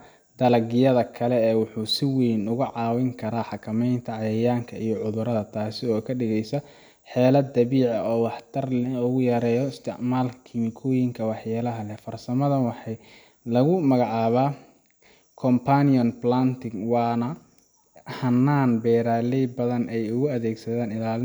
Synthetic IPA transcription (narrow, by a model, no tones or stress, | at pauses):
d̪̥ɐlɐɡɪjɐðɐkʰɐlɛɛːwʊħuːsɪwɛjnʊɣʊʕɑːwɪŋkʰɐɾaːħɑkʰɐmɛjnt̪ʰɐʕɑjɐjaːŋkʰɐʔijɔʕʊðʊɾɐðɐt̪ʰaːsɪɔːkʰɐɖɪɣɛjsɐ | ħɛːlɐd̪ɐβiːʕɐɔːwɑħt̪ʰɐrʊɣʊjɐɾɛːjɔɪst̪ʰɪʕmaːlkʰɪmɪkʰɔːjɪŋkʰɐwɑħjaːlɐɦɐlɛfɐrsɐmɐðɐnwɑħɑj | lɐɣʊmɐɣɑʕɑːβaː | kʰɔmpʰaniɔnplaːnt̪ʰɪŋwɑːnɐ | hɐnːaːnbɛːɾaːlɛjbɐðɐnɛjʊɣʊɐðɛːɡsɐðaːnɪlaːlɪ